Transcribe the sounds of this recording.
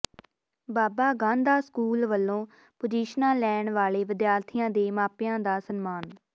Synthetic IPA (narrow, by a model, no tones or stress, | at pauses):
baːbaːɡãːnd̪aːskuːlʋəlːõː | pʊd͡ʒiːʃnãːlɛːɳʋaːleːʋɪd̪jaːɾt̪ʰɪjãːd̪eːmaːpɪjãːd̪aːsənmaːn